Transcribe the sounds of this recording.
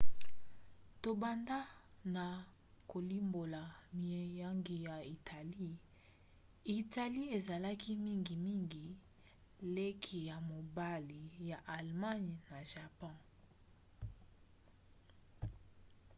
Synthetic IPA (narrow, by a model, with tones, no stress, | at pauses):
to˨ba˨nda˦na˨ | ko˨li˦mbo˨la˨mi˨ɛ˨ja˦ŋɡi˨ja˨i˨tʰa˨li˦ | i˨ta˨li˦e˨za˨la˦ki˦mi˦ŋɡi˨mi˦ŋɡi˨ | le˦kʰi˨ja˨mo˨ba˦li˨ja˨ʔa˨lma˦n˨na˨ʒa˨pɔ̃˦˨